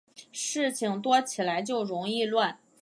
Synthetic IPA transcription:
ʂɻ̩˥˩t͡ɕʰi˨˩ŋt̪wɔ˥t͡ɕʰi˨˩la˧˥ɪt͡ɕjo˥˩ʊɻʊ˧˥ŋi˥˧lwa˥˩n

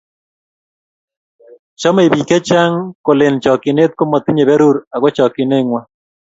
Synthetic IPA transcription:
t͡ʃɔ˦me˨βi˨ke˦t͡ʃa˦ŋko˨le˨nt͡ʃɔ˨ki˨ne˦t̪̚ko˦mɔ˨t̪i˦ɲe˨βɛ˦ɾu˦ɾa˨ɣwɛ˦t͡ʃɔ˨kɪ˨ne˦ŋwa˦

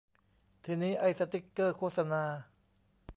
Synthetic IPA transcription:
t̪ʰiː˧niː˦˥ʔa˧jsa˧t̪i˦˩kːɤː˥˩kʰoː˥˩t̪̚sa˧naː˧

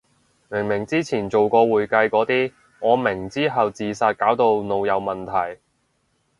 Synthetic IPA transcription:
mɪ˨˩ŋmɪ˨˩ŋt͡siː˥t͡sʰiː˨˩nt͡so˨wkɔː˧wuː˨˩jkɐ˧jkɔː˨˥t̪iː˥ | ŋɔː˨˧mɪ˨˩ŋt͡siː˥ɦɐ˨wt͡siː˨saː˧t̚kaː˨˥wt̪o˧wno˨wjɐ˨˧wmɐ˨nt̪ʰɐ˨˩j

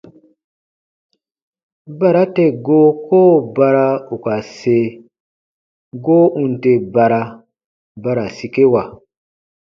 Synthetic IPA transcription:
ba˨ɾa˦te˨ɡo˦koː˦ba˧ɾa˦u˨ka˨se˦ | ɡo˦ʔũ˦nte˨ba˨ɾa˧ | ba˦ɾa˨si˨ke˦wa˨

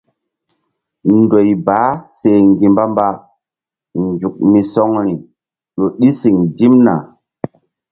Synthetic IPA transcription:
ndo˨jbaː˨˦se˨ŋɡi˨mba˦mba˦ | nd͡ʒu˨k̚mi˨sɔ˦ŋɾi˨ | ɗo˨ɗi˦si˨ŋdi˦mna̰˨

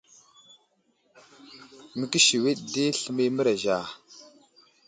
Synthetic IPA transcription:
mə˨ki˦ʃi˨wi˦ɗde˦ɬə˨mi˦mə˦ɾa˨ʒa˨

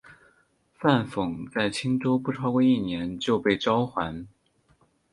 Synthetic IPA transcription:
fa˥˩nfʊ˨˩ŋt͡sa˥˩ɪt͡ɕʰi˥ŋʈ͡ʂo˥ʊpu˥˩ʈ͡ʂʰɑ˥ʊkwe˥˧i˥˩njɛ˧˥nt͡ɕjo˥˧ʊpe˥˩ɪʈ͡ʂɑ˥ʊxwa˧˥n

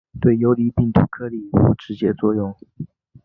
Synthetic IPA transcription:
t̪we˥˩ɪjo˧˥ʊli˧˥pi˥˩ŋt̪ʰṵ˧˥kʰɤ˥li˨˩xṵ˧˥ʈ͡ʂɻ̩˧˥t͡ɕjɛ˥t͡swɔ˥˧jʊ˥˩ŋ

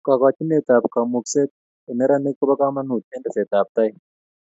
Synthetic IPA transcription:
ka˨ka˨t͡ʃi˦ne˦˨t̪a˨pka˨mu˨kse˦t̚ | e˨nɛ˦ɾa˦ne˦ko˦ba˦ka˦ma˦nu˨tɛ˦ndɛ˨se˨t̪a˨p̚t̪a˦ɪ˦

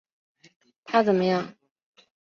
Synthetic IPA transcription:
t̪ʰa˥t͡sə˨˩nmə˦jɑ˥˩ŋ

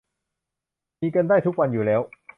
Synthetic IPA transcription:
miː˧ka˧ndaː˥˩jt̪ʰu˦˥k̚wa˧njuː˨˩lɛː˦˥w

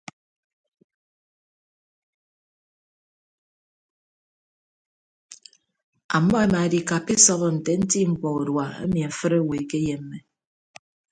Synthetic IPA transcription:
a̰˨mːɔ˦e˦ma˨di˨ka˨pi˦sɔ˦βɔ˦n̩˨te˨n̩˦ti˦ŋ͡m̩˨k͡pɔ˨o˨dwa˨ḛ˦mi˨a˨fɨ˦ɾe˦˨we˨ke˦je˦m̩ː˦e˨

